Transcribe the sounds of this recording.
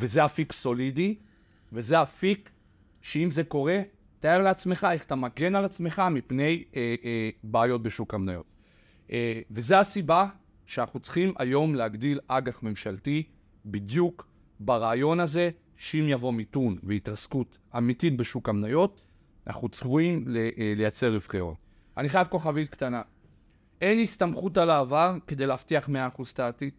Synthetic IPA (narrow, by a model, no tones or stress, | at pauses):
vezeafikso̞lidi | ve̞zeafik | ʃeimze̞ko̞ʁe̞ | t̪ajeʁleat͡sme̞χaeχat̪amaɡe̞nalat͡sme̞χamipne̞j | baːjo̞t̚be̞ʃukamnajo̞̰t | ve̞zeasiba | ʃeanaχut͡sχima̰jo̞mleaɡd̪ilaɡaχme̞mʃalti | bid̪juk | baʁaːjo̞naze̞ | ʃeimjavo̞mitunveitʁaskut | amititbe̞ʃukamnajo̞t | na̰χut͡svuimlele̞jat͡se̞ʁifkeo̰n | ʔaniχajavko̞χavitkt̪ana | ʔe̞nistamχutalaːvaʁke̞dejleaftiaχmeaːχuzt̪aːt̪it